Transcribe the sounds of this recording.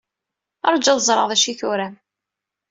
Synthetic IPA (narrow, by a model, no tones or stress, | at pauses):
ɑɾˤd͡ʒːɑðˤəzˤɾˤəʁðˤæʃiθuɾæm